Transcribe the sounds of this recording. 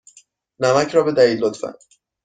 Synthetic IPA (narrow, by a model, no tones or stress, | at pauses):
næmæcʰɾɒːbed̪æiːlːot̪fæ̰n